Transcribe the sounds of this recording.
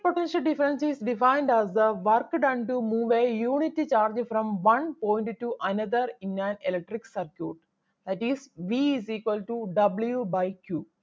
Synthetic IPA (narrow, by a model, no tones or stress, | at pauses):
poʈẽnʃɐlɖifɐɾə̃nsisɖifãɪ̃nɖæzd̪əʋɐɾkɖãɳʈumuːʋejuːniʈːit͡ʃaːɾd͡ʒfɾɔ̃mʋɐ̃npõːj̃nʈʈuʔɐnɐd̪əɾĩnːãnelek̚ʈɾiksɐɾkjuːʈ | d̪æʈisʋiːziːkwəlʈuɖɐbljubajkʰjuː